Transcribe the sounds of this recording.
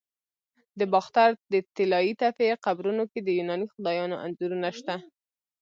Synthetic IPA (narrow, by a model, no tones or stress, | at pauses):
d̪əbɑxt̪aɾd̪ət̪ɪlɑit̪afeqabɾunoked̪əjunɑnixʊd̪ɑjɑnoʔa̰nzuɾunaʃt̪a